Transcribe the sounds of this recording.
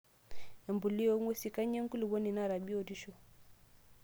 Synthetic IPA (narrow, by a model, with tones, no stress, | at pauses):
ɛ˨mbu˨li˦ɔ˦ŋwɔ˦si˨ka˦ɲɛ˦ŋ̩˦ku˦li˨βɔ˦ni˨na˦˨ɾa˨bi˦ɔ˨di˦ʃɔ˨